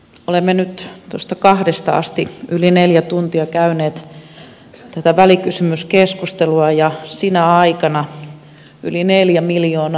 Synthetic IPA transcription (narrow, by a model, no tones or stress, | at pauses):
olemːenyt̪t̪ost̪ɑkɑhdest̪ɑɑ̰st̪iʔylineljæt̪unt̪iɑkæyneːt̪ | t̪æt̪æʋælikysymyskeskust̪eluɑjɑsinæɑikɑnɑ | ylineljæmiljoːn